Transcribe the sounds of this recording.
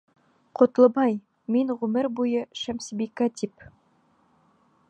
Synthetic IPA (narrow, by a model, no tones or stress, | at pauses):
qʰŏt̪lˠɤ̆bɑj | minʁʉmɘɾbujɤʃæmsibikat̪ʲip